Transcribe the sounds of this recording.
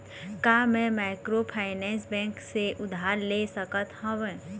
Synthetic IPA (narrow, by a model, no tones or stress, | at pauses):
kaːmɛ̃maːkɾopʰaːɪnɛ̃ːnsbɛ̃ːŋkseʔʊd̪ʱaːɾlesəkət̪hə̃ʋẽ